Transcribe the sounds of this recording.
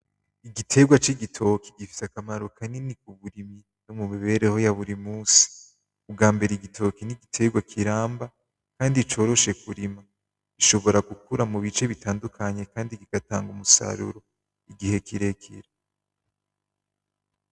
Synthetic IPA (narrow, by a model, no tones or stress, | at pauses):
iɡitʰe̞ɡwat͡ʃiɡitʰo̞kiɡifi̥sakamaɾo̞kʰaninikuβuɾimi | numumiβe̞ɾeho̞jaβuɾimuːsi̥ | ub̚ɡaːmbe̞ɾeiɡitʰo̞kiniɡitʰe̞ɡwakʰiɾaːmba | kaːndit͡ʃo̞ːɾo̞ʃe̞kuɾimḁ | iʃo̞βo̞ɾaɡukuɾamuβit͡ʃe̞βitʰaːndukʰaɲe̞kaːndiɡiɡ̥ataːŋɡumusa̰ɾṵɾo̞ | iɡihe̞kiɾe̞kʰḭɾe